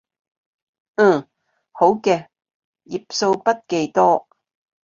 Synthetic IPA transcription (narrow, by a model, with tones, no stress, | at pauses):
ho˨˥wkɛː˧ | ji˨p̚so˧wpɐ˥t̚ke˧jt̪ɔː˥